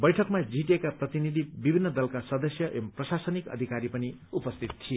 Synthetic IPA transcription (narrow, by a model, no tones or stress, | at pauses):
bʌjʈʰʌkmad͡zʱiʈekaprʌt̪inid̪ʱibibʱinːʌd̪ʌlkasʌd̪ʌsjʌʔemprʌsasʌnikʌ̰d̪ʱikaɾipʌniupʌst̪ʰit̪̚tʰie